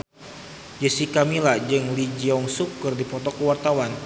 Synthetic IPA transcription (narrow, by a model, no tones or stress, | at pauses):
d͡ʒəsikamilad͡ʒɨŋlid͡ʒiɔŋsukːɨrdipɔt̪ɔkuwart̪awan